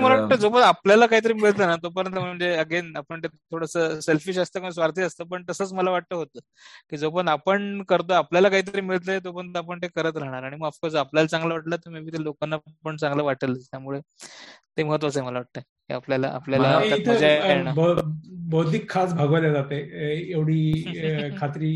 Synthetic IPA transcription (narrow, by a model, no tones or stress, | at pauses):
məlaʋaʈt̪əd͡zopəɳapljalakaɦiːt̪əɾiːmiɭət̪lənat̪op̬əɾjənt̪̬əm̤əɳd͡zeəɡenapəɳt̪et̪ʰːoɽəsəselfiːɕəst̪əːkõsʋaɾt̪ʰiːəst̪əpəɳt̪əsəːt͡sməlaʋaʈ̚t̪əɦot̪əː | kiːd͡zopəɳapəɳkəɾt̪oapljalakaɦiːt̪̬əɾiːmiɭət̪̬ləet̪opəɳt̪əapəɳt̪ekəɾət̪ɾaɦɳ̃aɾaɽ̃iməɡafkosapljalat͡sãŋɡlaʋaʈlət̪əɾmibʱiːt̪elokanːapəɳt͡sãŋɡləʋaʈələt̪jamuɭet̪eməɦət̪ʋat͡səeməlaʋaʈ̚t̪ə | kḭapljala̰ʔa̰pljalaait̪ʰd͡ʑajaenabbəwt̪ikʰːasbʱaɡəʋljad͡zat̪eeʋɽ̤iː | kʰat̪ɾiː